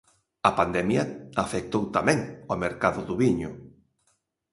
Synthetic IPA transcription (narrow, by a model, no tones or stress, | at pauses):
ɐpand̪ɛmjɐafek̚t̪owt̪amɛ̃ŋomeɾkaðʊðʊβiɲʊ